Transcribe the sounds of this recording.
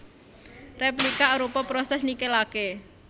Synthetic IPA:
replikaɾupɔpɾɔsɛsnikelake

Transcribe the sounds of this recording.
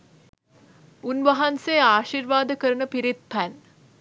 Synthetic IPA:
unʋɐɦanseːaːʃiɾʋaːd̪əkəɾənəpiɾit̪̚pʰæn

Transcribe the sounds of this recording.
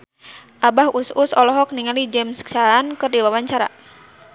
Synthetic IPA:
ʔabahususɔlɔɦɔk̚niŋalid͡ʒɛmst͡ʃankərdiwawaɲt͡ʃaɾa̰

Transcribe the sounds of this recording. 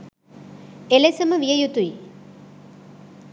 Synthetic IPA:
elesɐmɐʋijɐjut̪uj

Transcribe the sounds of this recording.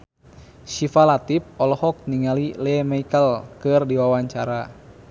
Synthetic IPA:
ʃifalat̪ip̚ɔlɔhɔk̚niŋalilɛmaikəlkɨrdiwawaɲt͡ʃaɾa

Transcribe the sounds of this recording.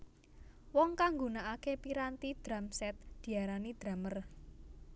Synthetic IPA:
wɔŋkaŋɡunaʔakepiɾant̪id̪̥ɾamsɛt̪̚d̪̥i̤aɾanid̪̥ɾa̤mər

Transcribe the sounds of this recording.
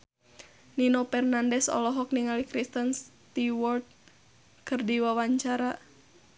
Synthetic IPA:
ninopɛrnandɛsɔ̰lɔɦɔk̚niŋalikɾist̪ənst̪iwɔrt̪̚ | kɨrdiwawaɲt͡ʃaɾa

